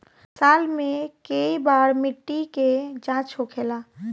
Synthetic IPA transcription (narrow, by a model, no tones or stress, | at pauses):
saːlmẽkeibaːɾmɪʈːiked͡ʒãːt͡ʃɦokʰeːlaː